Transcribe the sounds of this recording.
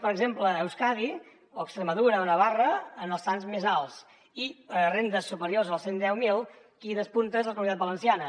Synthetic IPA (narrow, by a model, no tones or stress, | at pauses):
pəɾəɡzempləːwskaði | oəkst̪ɾəməðuɾəonəβ̞arəːnəlˠsanzmezalˠs | irend̪əsːupəɾiorzəlˠsend̪ɛwmilˠ | kiðəspunt̪əzðələkumuit̪at̪bələnsianə